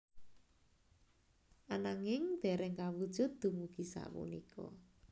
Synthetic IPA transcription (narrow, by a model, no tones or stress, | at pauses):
ʔanaŋɪŋd̪̥ɛ̤ɾɛŋkawud̥ʒ̥ʊ̤t̪̚d̪̥ṳmuɡ̥i̤sa̰pṵnikʰɔ̰